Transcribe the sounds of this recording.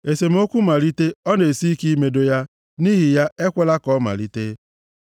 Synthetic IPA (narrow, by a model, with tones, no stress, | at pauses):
e˨se˨m̩˦o˦kʷu˦ma˨li˦te˦ɔ˦ne˨si˦i˦ki˦me˨do˨ja˦ | ni˦ɦi˨ja˦e˦kʷe˦la˦kɔ˦ma̰˨li˦te˦